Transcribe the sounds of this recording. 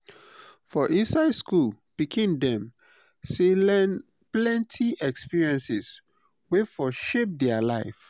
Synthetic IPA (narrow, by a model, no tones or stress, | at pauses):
fɔʔĩnsaɪdskul | pikʰĩndɛ̃m | selɛ̃n | plɛ̃ntʰiʔɛkspiɹiɛ̃nsis | wefɔʃep̚dɛalaɪf